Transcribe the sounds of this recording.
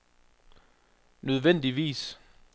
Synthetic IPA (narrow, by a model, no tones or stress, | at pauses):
nøð̞ˠʋen̰d̥iʋḭːs